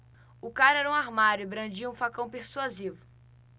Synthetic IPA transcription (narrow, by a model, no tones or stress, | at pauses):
ʊkaɾɛɾɐũaɾmaɾʊɪbɾɐ̃nd͡ʒiɐũfakɐ̃w̃peɾsuazivʊ